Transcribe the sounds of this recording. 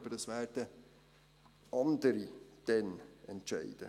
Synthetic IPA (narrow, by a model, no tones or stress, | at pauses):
bədəsʋæːrd̥ə | ɑnd̪əɾid̥ɛnɛntʃɛɪd̥ə̰